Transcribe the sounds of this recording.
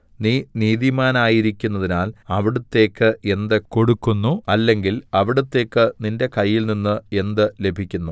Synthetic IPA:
niːniːðimaːnaːjiɾikʲːunːɐðinaːlɐʋiɽut̪ːe̞ːkːɨe̞nd̪ɨko̞ɽukːunːuɐlːe̞ŋɡilɐʋiɽut̪ːe̞ːkːɨninde̞kɐjːilninːɨe̞nd̪ɨle̞bʱikʲːunːu

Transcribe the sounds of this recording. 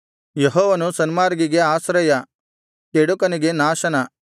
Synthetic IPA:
jeɦɔːʋɐnusɐnimaːɾɡiɡe̞aːsɾɐjɐ | keɽukɐniɡe̞naːʃɐnɐ

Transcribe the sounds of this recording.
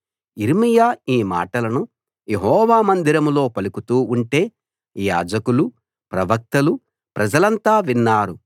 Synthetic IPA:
iɾimijaːiːma̰ːʈɐlɐnu | je̞ɦɔːʋaːmɐnd̪iɾɐmlo̞ːpɐlukut̪uːuɳʈe̞ː | ja̰ːd͡ʒɐkulu | pɾɐʋɐk̚t̪ɐlu | pɾɐd͡ʒɐlɐnt̪aːʋinːaːɾu

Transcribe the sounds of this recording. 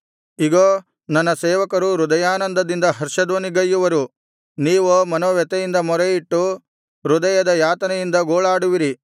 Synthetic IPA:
iɡoː | nɐnːɐseːʋɐkɐɾuɾud̪ɐjaːnɐnd̪ɐd̪ind̪ɐɦɐɾʂɐd̪ʋoːniɡɐjːuʋɐɾu | niːʋomɐnoːʋɛt̪ɛjind̪ɐmɔɾɛjiʈːu | ɾud̪ɐjɐd̪ɐjaːt̪ɐnɐjind̪ɐɡoːɭaːɽuʋiɾi

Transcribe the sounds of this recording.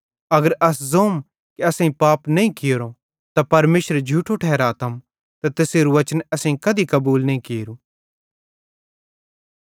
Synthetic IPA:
ɐɡəɾʔɐszoːm | kiɐsãĩpaːpnɐ̃ĩkɪjoɾõ | t̪apɐɾmeːʃɾd͡ʒʱuːʈʰoʈʰɛːɾaːt̪ʰəm | t̪at̪eːseːɾuʋɐt͡ʃənɐsãːĩkɐd̪ikɐbuːlnɐĩkeːɾu

